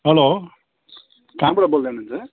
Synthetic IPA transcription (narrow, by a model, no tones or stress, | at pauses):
ɦʌlo | kãbɽʌbold̪enunt͡sʰʌ